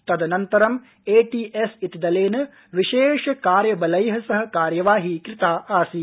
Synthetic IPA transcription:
t̪ɐd̪ɐnɐnt̪ɐɾɐm | eːʈiːʔesit̪id̪ɐleːnɐ | ʋiʃeːʃɐkaːɾjɐbɐlɐjɦɐsɐɦɐ̆kaːɾjɐʋaːɦikɾɪt̪aːʔaːsi

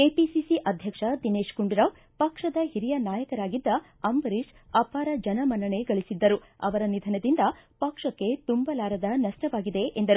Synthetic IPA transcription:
eːpisisiʔɐd̪ʱjɐkʂɐd̪ineːʂkuɳɖiɾaːʋ | pɐkʂɐd̪ɐhiɾijɐnaːjɐkɐɾaːɡid̪ːɐ | ɐmbɐɾiʃ | ɐpaːɾɐd͡ʒɐnɐmɐnɐɳeɡɐɭisid̪ːɐɾuɐ̰ʋɐɾɐnid̪ʱɐnɐd̪ind̪ɐpɐkʂɐkːe̞t̪umbɐlaːɾɐd̪ɐnɐʂʈɐʋaːɡid̪e̞ʔend̪ɐɾu

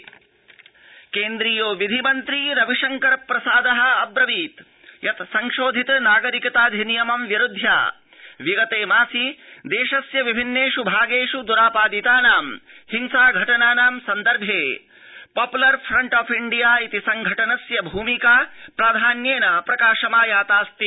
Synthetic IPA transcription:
keːnd̪ɾijoːʋid̪ʱimɐnt̪ɾiɾɐʋiʂɐŋkɐɾɐpːɾɐsaːd̪ɐɦɐ̆ɐbɾɐʋiːt̪ | jʔɐt̪sɐŋʃoːd̪ʱit̪naːɡɐɾikɐt̪aːd̪ʱinijɐmɐmʋjiɾud̪ʱja̰ː | ʋiɡɐt̪eːmaːsid̪eːʃɐsjɐʋibʱinːeːʂubʱaːɡeːʂud̪uɾaːpaːd̪it̪aːnaːmhiŋsaːɡʱɐʈɐnaːnaːmsɐnd̪ɐɾbʱjeː | paːpulɐɾpʰɾɐɳʈaːpʰiɳɖijaːit̪isɐŋɡʱɐʈɐnɐsjɐbʱuːmikaːpɾaːd̪ʱaːnjeːnɐpɾɐkaːʂɐmaːjaːt̪aːst̪i

